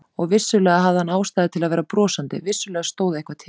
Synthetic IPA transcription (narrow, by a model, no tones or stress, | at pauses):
ɔɣvɪsːʏlɛːɣaɦavðɪhanːaːwst̪aːjðɪt̪ʰɪlaðvɛːɾapɾɔːsant̪ɪ̰vɪsːʏlɛːɣast̪oːwðaehkvat̪ʰɪ